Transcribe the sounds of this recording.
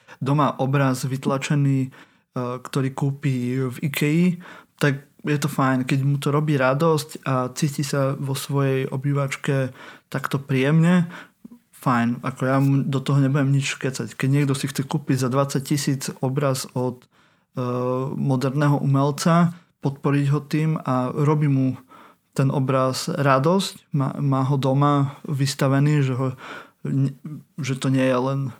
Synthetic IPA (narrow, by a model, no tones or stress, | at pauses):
d̪ɔmaʔɔbɾazʋit̪lat͡ʃɛniː | kt̪ɔɾiːkuːpiːvikʰɛjit̪ak̚jɛt̪ɔfajnkɛɟmut̪ɔɾɔbiːɾad̪ɔscat͡siːcisaʋɔsʋɔjɛjʔɔ̰biːʋat͡ʃkɛt̪akt̪ɔpɾiɛmɲɛ | fajnakɔjamud̪ɔt̪ɔɦɔɲɛbujɛmɲit͡ʃʃkɛt͡sackɛɟɲɪɛɡd̪ɔxsixt͡sɛkuːpiɟzad̪ʋat͡saccisiːd͡zɔbɾazɔt̪ | mɔd̪ɛɾnɛːɦɔʔumɛlt͡sa | pɔt̪pɔɾiɟɦɔt̪iːmaɾɔbiːmu | t̪ɛnɔbɾazɾad̪ɔscma̰maːɦɔd̪ɔmaʋist̪aʋɛniːʒɛɦɔɲɛʒɛt̪ɔɲɪɛjɛlɛn